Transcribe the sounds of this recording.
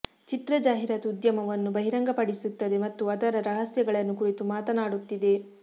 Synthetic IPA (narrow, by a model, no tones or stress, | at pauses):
t͡ʃit̪ɾɐd͡ʒaːɦiɾaːt̪ud̪jɐmɐʋɐnːubɐɦiɾɐŋɡɐpɐɽisut̪ːɐd̪e̞mɐt̪ːuɐd̪ɐɾɐɾɐɦɐsjɐɡɐɭɐnːukuɾit̪umaːt̪ɐnaːɽut̪ːid̪e̞